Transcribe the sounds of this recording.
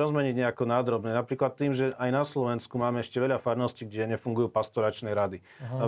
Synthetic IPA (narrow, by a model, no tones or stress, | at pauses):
ɔzmɛɲiɟɲɛakɔnaːd̪ɾɔbnɛnapɾiːklat̪ːiːmʒɛʔajnaslɔʋɛnskumaːmɛɛʃcɛʋɛʎafaɾnɔsciːɡɟɛɲɛfuŋɡujuːpast̪ɔɾat͡ʃnɛɾad̪i